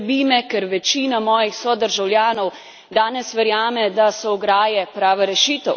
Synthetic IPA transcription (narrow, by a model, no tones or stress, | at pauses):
biːmɛkɛɾʋɛt͡ʃiːnamɔːjixsɔd̪əɾʒawlʲjaːnɔw | d̪aːnɛsʋɛɾjaːmɛd̪asɔɔɡɾaːjɛpɾaːʋaɾɛʃiːt̪ɛw